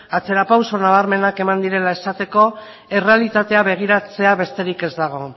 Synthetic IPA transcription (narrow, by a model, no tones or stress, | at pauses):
at͡se̞ɾapawso̞naβ̞aɾme̞nake̞mand̪iɾe̞lae̞sat̪e̞ko̞ | e̞re̞alit̪at̪e̞aβe̞ɣ̞iɾat͡se̞aβe̞st̪e̞ɾike̞zd̪aɣ̞o̞